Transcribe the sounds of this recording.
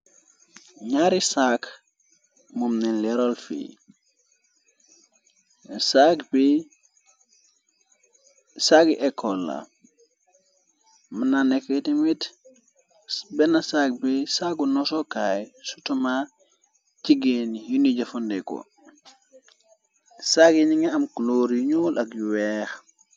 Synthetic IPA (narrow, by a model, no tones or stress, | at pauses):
ɲaɾisak | mumnenlɛɾolfḭː | sakbi | sakiʔɛkʰːolːa̰ | mananɛkːɛtimit | bɛnasak̚bisaɡunɔsɔkajsutama | t͡ʃiɡenijinid͡ʒafɔndɛkɔ̰ | saɡiniŋɛamkloɾjiɲulʔakjuwɛːx